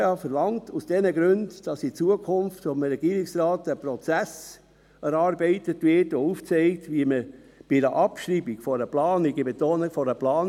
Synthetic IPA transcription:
ɑfəɾlɑŋtusd̥ɛnəɡɾʏndd̥ɑsit͡suəkʰʊmftɔmɾɛɡ̥iːɾiksrɑːtːəpɾɔt͡sæs | ɛɾɑːɾbeɪtətvɪtouft͡seɪktviəməb̥ɪdəʔɑpʃɾiːbiɡ̥fɔɾəplɑːniɡibetoːnəfɔɾəplɑːn

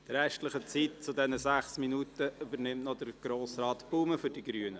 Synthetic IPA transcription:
d̥əɾɛʃtləχət͡sit̚t͡sʊdɛnəzæχsminutəʔybəɾnɪmtnɔdəɾɡ̥ɾoːsɾɑːt̪puːməfʏɾdiɡɾyːənə

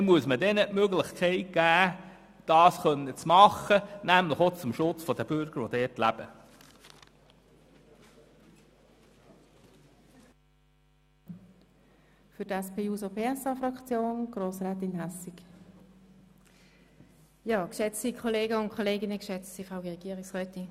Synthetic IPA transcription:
muəsmədɛnəʔmøɡlɪχkʰɛɪt̚ɡ̥æː | d̥ɑːsχœnːət͡smɑχənæmlɪχot͡sʊmʃʊt͡sfɔd̪əb̥ʏɾɡ̥əɾʋodɛːtlæb̥ə | fʏdɛspʰeːuːsopʰeːɛsɑfrɑkt͡sjoːnɡ̥ʁoːsʁaːt̪ɪnɦɛsik | jɑːkʃɛt͡sikʰoleːɡəʊntkʰoleːɡɪnəkʃɛt͡ssifʁaʊəʁɛɡ̥iːʁɪksʁœːt̪in

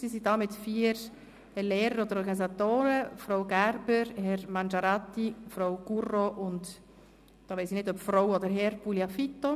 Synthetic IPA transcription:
siːsidɑːmɪtfiːəɾ | leːɾəɾɔd̪əɾɔɾɡɑnis̬at̪oːɾəfɾoʊwɡæɾbəɾhɛɾmɑnd͡ʒɑɾat̪ːifɾowɡ̥uroʔʊnt | d̥ɑːʋeɪsinɪdœpfɾowɔd̪əɾɦɛɾpuljafit̪o

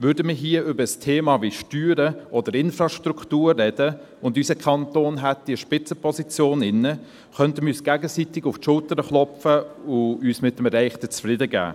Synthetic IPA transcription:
ʋʏɾdəmiɦiːəʏbəstʰeːmɑːʋiʃtyːɾəʔɔdəɾɪnfɾɑːʃtɾuktuːrːɛd̥ə | ʊndysəkʰɑntoːnɦɛt̚d̥iəʃpɪt͡səpʰɔsit͡sjoːnɪnːə | χœntəmyːsɡ̥æɡəsitɪɡʊftʃʊltəɾəχlɔpfəʊyːsmɪt̚əmɛɾæɪχtət͡sfɾɪdəɡæ̰ː

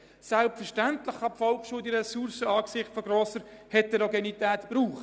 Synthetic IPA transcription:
sælpfəɾʃtænt̪ləχɑpfɔlkʃuːd̪iɾɛsuɾsəɑːksɪχtfɔɡɾɔːsəɾhɛt̚dɛɾɔɡɛnit̪æːt̪b̥ɾuːχ

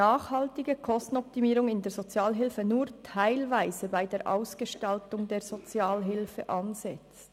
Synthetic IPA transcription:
aːχhɑltɪɡəkʰɔstn̩ɔp̚timiːɾʊŋɪndeːz̥ot͡sjaːlɦɪlfənuːɾtʰaɪlvaɪzəbaɪdeːɾʔa̰ʊsɡ̥əʃtɑltʊŋdeːɐz̥ot͡sjaːlɦɪlfəʔɑnz̥ɛt͡st

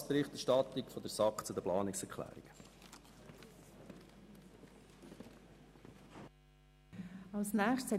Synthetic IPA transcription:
spɾɪχt̪ɛɾʃtɑt̪ikfɔd̪əsɑkχt͡sʊd̪əplɑːnɪksɛɾkʰlæ̰ːɾḭɡ̥ə | ɑlsnæːχt͡sshɛ

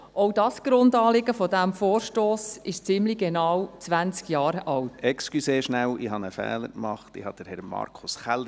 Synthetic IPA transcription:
ʔoʊdɑsɡ̥ɾʊndɑːlɪɡəfɔdæmfoːɾʃtoːsɪʃt͡sɪmliɡɛnɑwt͡sʋænt͡skjɑːɾʔɑltɛkskyseːɾʃnælɪɦɑnəfɛ̰ːləɾkmɑχtɪhɑd̥əɾhɛɾmɑ̰ɾkʰʊsχɛl

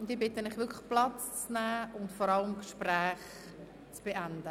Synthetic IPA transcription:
ʊntiːbɪtənɪχʋɪkʰlə̥χplɑt͡st͡snæːʊndfɔɾɑləmkʃprɛːχ | t͡sb̥eʔænd̥ə

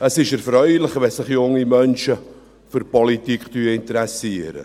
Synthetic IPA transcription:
əsɪʃɛɾfɾœʏlɪχvɛsɪχjʊŋːimœnʃə | fʏɾpɔlit̪ikχtyːəɪnt̪əɾɛsiəɾə̰

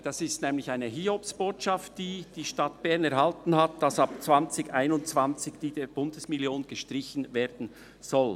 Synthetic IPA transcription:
d̥ɑsɪstnɛːmlɪçaɪnəɦiːhopsb̥oːtʃɑftd̥iːd̥iːʃtɑtb̥ɛʁnɛɾhɑltn̩hat̚d̥ɑsɑpt͡sv̥ɑnt͡sɪɡaɪnʊnt͡svɑnt͡sɪɡd̥iːdɛb̥ʊndəsmɪljoːnɡ̥əʃtɾɪçən̩veːɾd̥n̩ | z̥ɔl

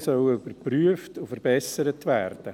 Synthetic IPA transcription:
sœʊybəɾpryəftufəɾb̥ɛsəɾətʋærd̥ə

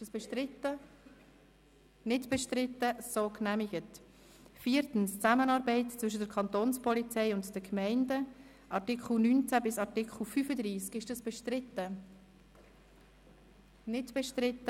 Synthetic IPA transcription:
ɪʃəsb̥eʃtɪtə | nɪdb̥ɛʃtɾɪtːəsoːknæmiɡ̥ət | fiːəɾtn̩st͡sæmənɑːɾbɛɪtt͡sʋʏʃ̬ədəɾkʰɑntoːnspɔlit͡sɛɪʊntd̥əkmɛɪndə | ʔɑɾtɪkχl̩nyːnt͡sæbɪsɑɾtɪkχl̩ˠfyfəd̪ɾiːskɪʃdɑsb̥eɪtə | nɪdb̥ɛʃtɾɪtːə

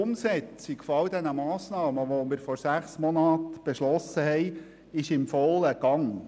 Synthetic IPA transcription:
ʊmsɛt͡sɪkfɔɑʊd̪ɛnəmɑːsnɑːməʋomɪɾfɔɾsæχsmɔnɑːt̪b̥ɛʃlɔsəhɛɪ | ɪʃɪmfɔləɡ̥ɑŋ

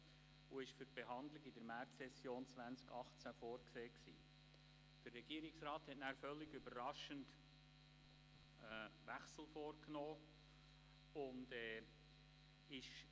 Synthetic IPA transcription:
uɪʃfyɾb̥eɦɑndlɪɡɪdəɾmæɾtsɛsjoːnt͡svʋænt͡skɑχt͡sæfoːɾkseːksḭː | d̥ərːɛɡ̥iəɾɪksɾɑːthɛtnæːɾfœlːɪɡybəɾɑʃənt | ʋæχsl̩ˠfoːɾknoː | ʊndɛː | ɪʃ

